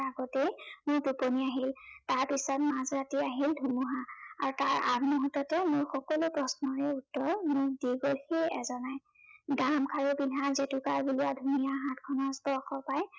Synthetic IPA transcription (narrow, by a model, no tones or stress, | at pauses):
aɡɔtemʊɹtuponiaɦiltaɹpisɔtmãzɹatiaɦildʱumuɦa̰ːɹutaɹa̰bmuɦutɔtɛmʊɹxɔkɔlopɹɔsnɔɹɛutːɔɹmʊdiɡolxeɛ̰zɔnaj | ɡamkʰaɹubinʱazetukaɹbuluwadʱumijaɦãt̚kʰɔnɔstɔɹxɔpaj